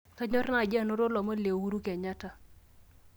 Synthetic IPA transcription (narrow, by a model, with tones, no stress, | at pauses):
ka˦ɲɔ˦ɾna˦˨d͡ʒɪ˦a˦˨no˦ɾo˦lɔ˨ma˦le˨wu˦ɾu˦kɛ˨ɲa˦ta˦